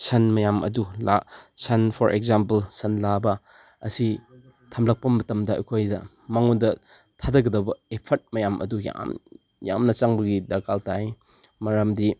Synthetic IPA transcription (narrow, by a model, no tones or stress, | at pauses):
sʰɐnmɐjamʔɐ̰dulasɐnpʰɔɾʔḛɡzampɐlsɐnlabɐ | ɐ̰si | tʰɐmlɐk̚pɐmɐtɐmdɐɐ̰jkʰojdɐ | maŋundɐ | tʰadɐɡɐdɐwbɐepʰɐt̚mɐjamʔɐ̰duja̰m | ja̰mnɐt͡ʃaŋbɐɡidɐɾkʰaltaj | mɐɾɐmdi